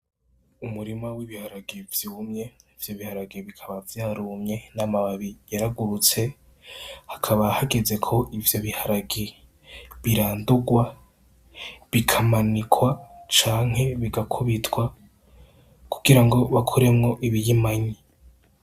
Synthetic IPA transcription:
umuɾimawiβihaɾaɡevjuːmɲe̞ivjo̞βihaɾaɡeβikʰaβavjaːɾumɲe̞namaβaβijaɾaɡuɾut͡se̞ | hḁkʰaβahaɡeze̞kʰo̞ʔivjo̞βihaɾaɡe | βiɾaːnduɡwa | βikʰamanikʰwat͡ʃaːŋ̥he̞βiɡakʰuβitwa | kʰu̥ɡ̥iɾaŋɡo̞βakʰoɾe̞mŋo̞ʔiβijimaɲi

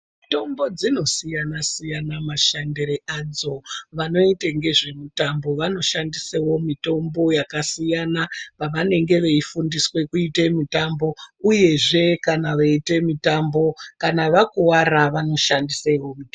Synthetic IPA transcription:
ito̞mbo̞d͡zino̞sijanasijanamaʃandeɾeʔad͡zo̞ʋano̞iteŋɡe̞ʐe̞mitambo̞ʋano̞ʃandisewo̞mito̞mbo̞jakasijanapaʋane̞ŋɡe̞ʋeifundiswe̞kuite̞mitambo̞uje̞ʐe̞kanaʋeite̞mitambo̞kanaʋakuwaɾaʋano̞ʃandisewo̞mit

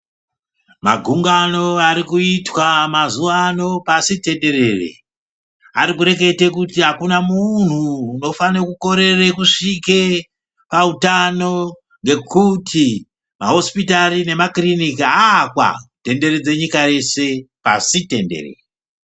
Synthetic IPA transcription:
maɡʱuŋɡano̞aɾikuitwamazuʋano̞pasite̞nde̞re̞rḛ | a̰ɾikuɾe̞ke̞tekutiɦakunamun̤uːno̞fanekuko̞ɾe̞rekuʂike | pautano̞ | ŋɡe̞kutʰi | maɦo̞spitarine̞makrinikiakwa̰te̞nde̞ɾed͡ze̞ɲikaje̞se̞pa̰site̞nde̞̰rḛre

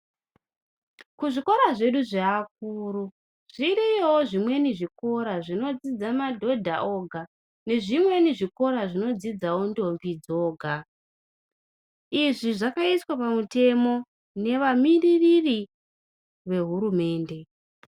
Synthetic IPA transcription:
kuʐiko̞ɾaʐe̞ɗuʐeak̚uːɾu | ʐ̥iɾiowoʐimwe̞niʐiko̞ɾaʐino̞d͡zid͡zamadʱo̞dʱa̰ʔo̞ɡʱa | ne̞ʐimwe̞niʐiko̞ɾaʐino̞d͡zid͡zawondo̞mvid͡zo̞ːɡʱa | iʐiʐakaiswapamute̞mo̞ | ne̞ʋamiririri | ʋe̞ɦuɾume̞ːnde̞

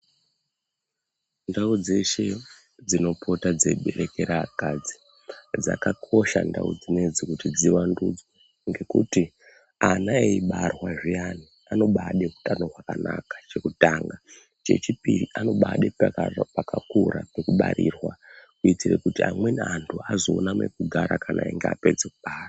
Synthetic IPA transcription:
ndaud͡ze̞ʃe̞ | d͡zino̞po̞tad͡ze̞ɓe̞ɾe̞ke̞ɾakad͡zi | d͡za̰kakʰo̞ʃa̰nda̰ṵd͡zine̞d͡zikutid͡ziʋandud͡zo | ŋɡe̞kuti | anaeiɓarwaʐiani | ano̞ɓaɗeku̥tanorwakanakḁt͡ʃe̞kutaːŋɡa | t͡ʃe̞̰t͡ʃipiriʔano̞ɓaɗeppakakuɾape̞kuɓa̰ɾirwakuitirekutiamwenantʰuazoonamekuɡʱaɾakanʔaiŋɡea̰pe̞d͡zek̚uɓaːra

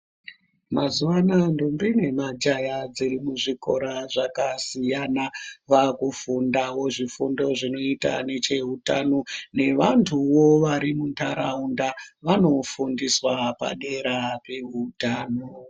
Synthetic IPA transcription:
mazuʋanandombine̞mad͡ʒajad͡zirimuʐiko̞̰ɾaʐakasijanaʋakufundawo̞ʐifundo̞ʐino̞ita̰ne̞t͡ʃe̞ɦutano̞ne̞ʋantʰuwo̞ʋaɾimuntʰaɾaundaʋano̞fundiswapa̰ɗe̞ɾape̞ɦutaːno

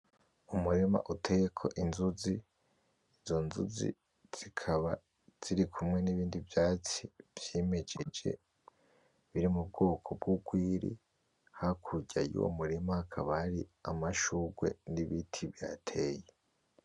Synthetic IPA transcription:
umuɾema̰ʔutʰejekʰo̞̰ʔinzuzi | izo̞nzṵzḭ | z̥ikʰaβa | z̥iɾikʰumŋe̞niβiːndivjaːt͡siv̥jeːme̞d͡ʒe̞d͡ʒe̞̰ | βiɾimub̚ɡo̞ːkʰo̞b̚ɡuɡwiːɾḭ | hakʰuɟajṵo̰muɾimahakʰaβahːɾiamaʃuːɡwe̞̰niβitʰiβja̰ːtʰe̞ːje

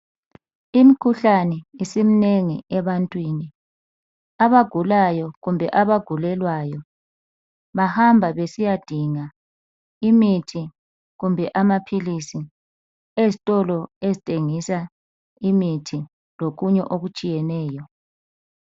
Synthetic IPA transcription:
imikʰuɬanɛisimineŋiʔɛβantʼwiːni | aβaɡ̥ʱulajɔɣumbʱɛʔaβaɡ̥ʱulɛlwajɔ | βahambʱaβesijad̥ʱiŋa | imitʰi | ɣumbʱɛʔamapʰilisi | ezitʼɔlɔezitʼeŋisa | imitʰi | loɣuɲɛ̰ʔoɣut͡ʃʼijɛnɛːjɔ

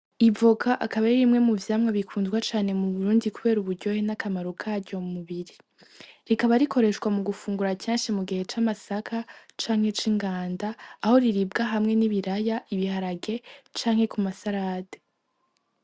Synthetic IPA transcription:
ivokʰaʔakaβaɾiɾimŋe̞muvjaːmŋaβikʰuːnzɡwat͡ʃaːne̞muβuɾuːndikuβe̞ːɾuβuɾɟo̞henakʰamaɾukʰaɾɟo̞muβiɾi | ɾikaβaɾikʰo̞ɾe̞ʃɡwamuɡufuːŋɡuɾaceːnʃimuɡihe̞t͡ʃamasakʰat͡ʃaːŋ̥he̞t͡ʃiŋɡaːndaːho̞ɾiɾib̚ɡaɦamŋe̞niβiɾajaʔiβihaɾaɡe̞t͡ʃaːŋhe̞kumasaɾaːde

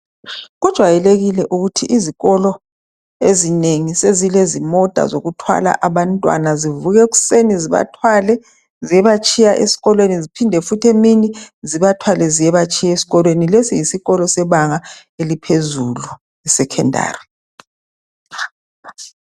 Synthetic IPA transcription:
ɣud̥ʒ̥ʱwajɛleɣilɛʔuɣutʰiʔiziɣɔlɔ | ezineŋisezilezimɔd̥ʱa̰zoɣutʰwa̰la̰ʔaβantʼwa̰nazivuɣɛɣu̥seniziβa̰tʰwalɛ | zijɛβat͡ʃʰʼijaʔḛsi̥ɣɔlwenizipʰindʱɛfutʰeminiziβatʰwalɛzijɛβat͡ʃʰʼijaesi̥ɣɔlwenilesijisiɣɔlɔsɛβaŋa | elipʰezulu | ɛsɛkʰɛnda̰ːri

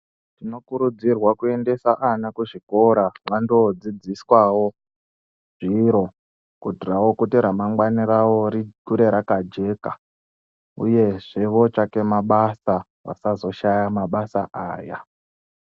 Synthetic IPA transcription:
tino̞kuɾud͡zirwakue̞nde̞saʔanakuʐiko̞ɾaʋando̞d͡zid͡ziswawo̞ | ʐ̥iɾo̞ | kutirawo̞kuteɾamaŋɡwanirawo̞ɾikuɾe̞ɾakad͡ʒe̞ka | ṵje̞ʐe̞ʋot͡ʃake̞maɓasa | ʋa̰sazo̞ʃajamaɓasaʔaːja̰

